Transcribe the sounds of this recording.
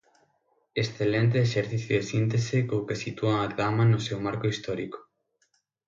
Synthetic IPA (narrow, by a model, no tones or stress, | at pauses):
esθelent̪̬eːʃeɾθiθjoðesint̪esekokesit̪uɐaðamanʊsewmaɾkoist̪ɔɾikʊ̥